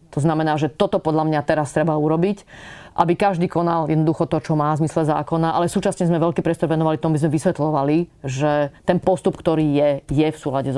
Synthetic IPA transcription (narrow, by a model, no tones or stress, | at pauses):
t̪ɔznamɛnaːʒɛt̪ɔt̪ɔpɔd̪ʎamɲat̪ɛɾast̪ɾɛbauɾɔbicʔa̰bikaʒd̪iːkɔnaljɛd̪nɔd̪uxɔt̪ɔt͡ʃɔmaːvzmislɛza̰ːkɔnaʔalɛsuːt͡ʃasɲɛzmɛʋɛʎkiːpɾɪɛst̪ɔɾʋɛnɔʋalift̪ɔmabizmɛʋisʋɛt̪lɔʋaliʒɛt̪ɛnpɔst̪upkt̪ɔɾiːjɛjɛfsuːlaɟɛz